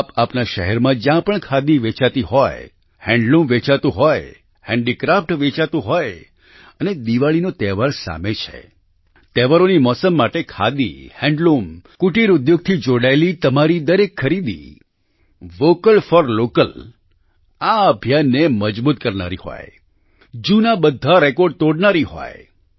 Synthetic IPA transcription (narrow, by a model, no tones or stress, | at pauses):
apapnaʃəɦɛɾmãd͡ʒjãpəɳkʰad̪iʋet͡ʃat̪iɦɔj | hɛ̃ɳɖlũmʋet͡ʃat̪ũɦɔj | hɛ̃ɳɖikɾafʈʋet͡ʃat̪ũɦɔj | əned̪iʋaɭinot̪ɛʋaɾsa̰met͡ʃʰḛ | t̪ɛʋaɾonimɔsəmːaʈekʰa̰d̪ihɛ̃ɳɖlumkuʈiɾʊd̪joɡ̚t̪ʰid͡ʒoɽaelit̪əmaɾid̪əɾekʰːəɾid̪ḭ | ʋokəlfɔɾlokəl | aəbʱjanːeməd͡ʒbut̪̚kəɾna̰ɾḭhɔ̰j | d͡ʒunabəd̪ʱaɾekɔɾɖ̚t̪oɽnaɾiɦɔ̰j